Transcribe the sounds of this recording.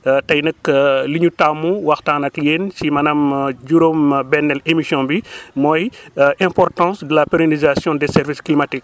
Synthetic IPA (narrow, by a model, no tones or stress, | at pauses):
tɐjnɐkliɲutamːuwɐxtaːnɐkjeːnsimɐnɐmɟuɾombɛnːɛlemisjɔ̃bimɔːjʔɛ̃mpɔrtɑ̃sdəlapeɾonizasjɔ̃dɛsɛɾvisklimatik̚